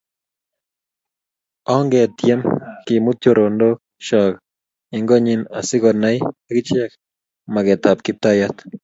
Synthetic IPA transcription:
ɔ˦ŋɡɛ˨t̪jɛ˦mki˨mu˦t̪jo˦ɾo˨ndo˦ | ʃɔ˨k | ɪŋɡɔ˦ɲɪ˦na̰˨sɪ˦ɡɔna˦jaɡɪ˦t͡ʃɛ˦k | maɡɛ˨t̪a˨p̚kɪ˦p̚t̪a˦jat̪

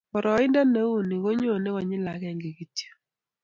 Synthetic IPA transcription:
pɔ˨ɾɔ˨˦ɪ˦nda˦na˦u˦˨ni˨ko˦ɲo˦˨ne˦kɔ˨ɲɪ˦la˨˦kɛ˦˨ŋɡe˨ki˦tje̥˦

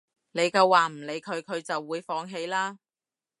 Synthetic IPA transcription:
ne˨˧jkɐ˧wːaː˨m̩˨˩le˨˧jkʰɵ˨˧ɥkʰɵ˨˧ɥt͡sɐ˨wːuː˨˧jfɔː˧ŋɦe˨˧jlaː˥

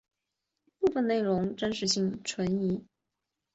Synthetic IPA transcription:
pu˥˧fə˥˧ne˥˩ɪɻʊ˧˥ŋʈ͡ʂə˥nʂɻ̩˥˧ɕi˥˩ŋʈ͡ʂʰwə˧˥ni˧˥

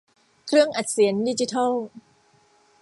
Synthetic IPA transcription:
kʰɾɯ˥˩əŋʔa˨˩t̪̚si˩˦əndi˦˥˩t͡ɕi˧˦˥t̪ʰa˥˩w

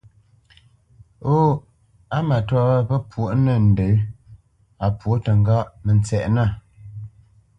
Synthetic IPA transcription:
o˦ | a˦ma˨ta˦ə˦pə˦pwo˨ʔnə˦˨n̩˨də˨˦ | a˨pwo˨˦tə˨ŋ˦ɡa˦ʔmə˨nt͡sɛ˨ʔna˦˨

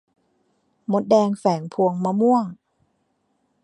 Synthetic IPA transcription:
mo˦˥t̪̚dɛː˧ŋfɛː˩˦ŋpʰu˧əŋmaː˧mu˥˩əŋ

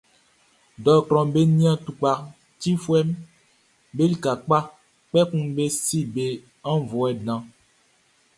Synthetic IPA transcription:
dɔ˨kɾɔ̃˨be˦nĩ˦ã˦tu˨k͡pa˨ | ti˦fwɛ˦m | be˦li˦ka˨k͡pa˦ | k͡pɛ˦kũ˦be˦si˦be˨ | ã˦vɔ˨ɛ˨dã˨

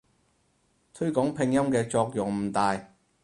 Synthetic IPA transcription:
t̪ʰɵ˥ɥkɔː˨˥ŋpʰɪ˧ŋjɐ˥mkɛː˧t͡ʃɔː˧k̚jʊ˨˩ŋm̩˨˩t̪aː˨˧j

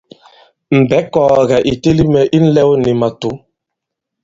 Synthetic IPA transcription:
m̩˨bɛ˨˦kɔː˨ɣa˨ʔi˨te˦li˦mɛ˨ʔi˦n̩˦lɛ˦wni˨ma˨tu˨˦

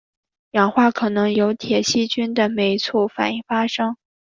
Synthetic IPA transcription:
jɑ˨˩ŋxwa˥˩kʰɤ˨˩nɤ˧˥ŋjo˧˥ʊt̪ʰjɛ˨˩ɕi˥t͡ɕy˥nd̪ə˨me˧˥ɪt͡sʰɔ˥˩fa̰˨˩ni˥˩ŋfa˥ʂɤ˥ŋ

